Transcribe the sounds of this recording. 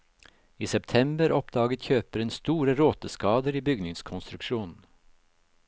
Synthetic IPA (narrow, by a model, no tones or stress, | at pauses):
iːsɛpt̪ʰɛmbəɾʔɔpd̪ɑːɡət̪çøːpəɾeːnst̪uːɾəɾoːt̪əskɑːd̪əɾiːbʏɡnɪŋskʰɔnst̪ɾʉkʃuːnn̩